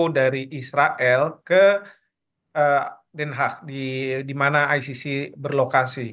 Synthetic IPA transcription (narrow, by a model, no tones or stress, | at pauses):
daɾiʔisɾaʔɛlkə | ə | dɛnɦak̚didimanaːjsisibərlokasi